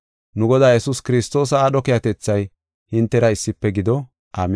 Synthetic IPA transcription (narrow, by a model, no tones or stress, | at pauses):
nʊɡɔd̪aːjɛsuskɪɾɪst̪o̞ːs̬ɐaːɗɔkɪjɐt̪ɛt͡sːɐj | hɪnt̪ːɛɾɐɪsːɪpːɛɡɪd̪ɔ | ʔaːm